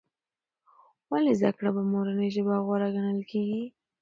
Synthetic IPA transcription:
walezd̪akɽabamoɾanəjʒəbaɣwaɾaɡanəlkʰeɡi

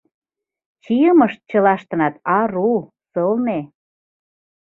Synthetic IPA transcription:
t͡ɕijəməʃt̪̚t͡ɕəlɑʃt̪ə̆nɑt̪ɑɾu | sɤlne

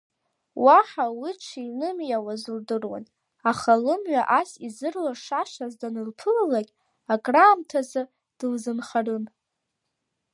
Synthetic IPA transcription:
waħawiʈ͡ʂʰiinɨmjawazɨldɨrwa̰n | aχalɨmɥaʔasizɨrlaʂaʃazdanɨlpʰɨllaɡʲ | akʼraːmtʰazɨ | d̥ɨlzɨnχarɨn

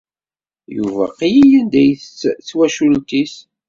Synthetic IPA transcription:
jṵvæ̰qijijænd̪æjθt͡st͡sːwæʃult̪is

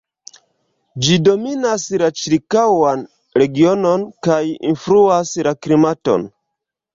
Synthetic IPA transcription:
d͡ʒido̞minaslat͡ʃiɾkawan | ɾe̞ɡio̞no̞nkajḭnfɾuaslaklimato̞̰n

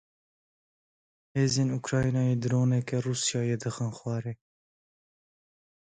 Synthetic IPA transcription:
heːzeːnukɾɑːinɑːjeːd̪ɨɾoːnɛkɛruːsjɑːjed̪ɨxɨnxwɑːɾeː

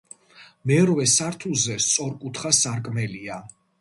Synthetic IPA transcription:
mɛɾvɛsaɾt̪ʰuzɛst̪sʼɔɾkʼut̪ʰχasaɾkʼmɛlia

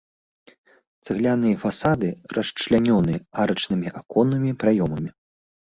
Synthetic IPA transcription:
t̪sɨɣlʲanɨjɐfasad̪ɨrʔɐʂt͡ʂlʲanʲɔnɨaɾɐt͡ʂnɨmʲiʔakɔnɨmʲipɾajɔmɐmʲi

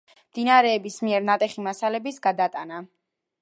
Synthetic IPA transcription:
md̪̥inaɾɛːbismiɛɾnat̪ʼɛχimasalɛbisɡad̪at̪ʼana

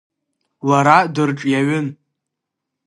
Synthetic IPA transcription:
laɾadɨrʈ͡ʂʼjaɥʊn

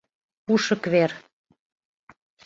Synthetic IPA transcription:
puʃə̆kβer

